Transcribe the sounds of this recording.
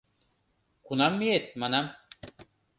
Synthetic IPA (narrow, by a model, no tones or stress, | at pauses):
kunɑmːijet̪̚mɑnam